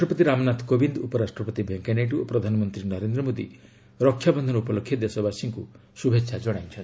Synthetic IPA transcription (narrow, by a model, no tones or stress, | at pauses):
ʈɾɔpɔt̪iɾamɔnat̪kobind̪upɔɾasʈɾɔpɔt̪ibʱeŋkeneʈuopɾɔd̪ʱanɔmɔnt̪ɾinɔɾend̪ɾɔmod̪ḭ | ɾɔkʰːjabɔnd̪ʱɔnupɔlokʰjɔd̪esɔbasiŋku | subʱetːʃʰad͡ʒɔɽ̃ajt͡ʃʰɔn